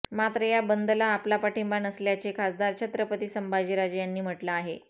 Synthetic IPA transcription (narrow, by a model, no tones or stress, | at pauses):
mat̪ɾəjabənd̪əlaːplapaʈimbanəsljat͡ɕekʰasd̪aɾt͡ɕʰət̪ɾəpət̪iːsəmbad͡ʑiːɾad͡ʑjanːiːm̤əʈlaːɦe